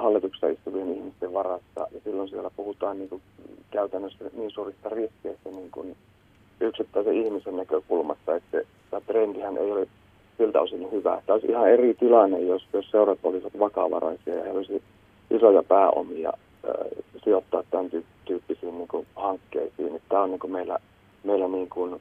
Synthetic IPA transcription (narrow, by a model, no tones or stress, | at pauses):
hɑlːit̪uksɑ̰ist̪uʋienihmist̪eʋʋɑrɑsːɑ̰jɑsilːonsielːæpuhut̪ɑːnniːŋkukæyt̪ænːøsːæniːnsuːrist̪ɑriskeist̪æniːŋkun | yksit̪ːæiseihmisennækøkulmɑst̪ɑet̪se | t̪æˑːt̪reːnt̪ihænʔḛijole | silt̪æ̰o̰sinːuhyʋæ̰ːt̪æːolisʔihɑerit̪ilɑnːejjosjosseurɑt̪olisʋɑt̪ʋɑkɑ̰ʋɑ̰rɑ̰isiɑ̰jɑheiolisi | ʔisojɑpæːʔo̰miɑ̰ | ə̰ːsiot̪ːɑ̰ːt̪t̪ænt̪yː | t̪yːpːisiːnniːŋkuhɑŋkːḛisiːnet̪tæːonniːŋkumeilːæ̰ | meilːæniːŋkun